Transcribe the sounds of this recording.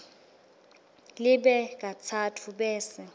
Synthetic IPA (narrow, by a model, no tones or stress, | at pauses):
lɪɓɛk̬ʼat͡sʰatʰuɓɛːsɛ